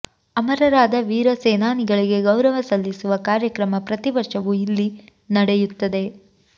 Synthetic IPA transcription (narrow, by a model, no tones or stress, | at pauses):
ɐmɐɾɐɾaːd̪ɐʋiːɾɐseːnaːniɡɐɭiɡe̞ɡɐwɾɐʋɐsɐlːisuʋɐkaːɾjɐkɾɐmɐpɾɐt̪iʋɐɾʂɐʋuilːinɐɽejut̪ːɐd̪e̞